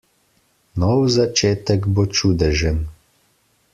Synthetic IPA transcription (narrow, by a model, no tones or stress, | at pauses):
nɔwzat͡ʃeːt̪əkbot͡ʃuːd̪ɛʒən